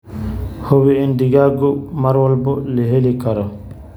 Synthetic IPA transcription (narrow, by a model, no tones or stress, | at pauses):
howiindiɡaɡɔmaɾwɔlbɔleɦelikaɾɔ